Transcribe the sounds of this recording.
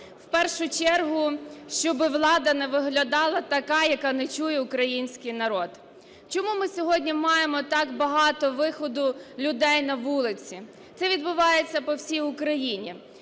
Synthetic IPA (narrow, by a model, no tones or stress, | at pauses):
wpɛrʃʊt͡ʃɛrɦʊʃt͡ʃɔbɪʋlˠɑd̪ɐnɛʋɪɦlʲɐd̪ɑlˠɐt̪ɐkɑjɐkɑnet͡ʃujɛʊkɾɐjinʲsʲkɪjnɐɾɔd̪̥ | t͡ʃɔmumɪsʲɔɦɔdʲnʲimɑjemɔt̪ɑkbɐɦɑt̪ɔʋɪxɔd̪ʊlʲʊd̪ɛjnɐʋulˠɪt͡sʲi | t̪sɛʋʲid̪bʊʋɑjet͡sʲːɐpɔwsʲijʊkɾɐjinʲi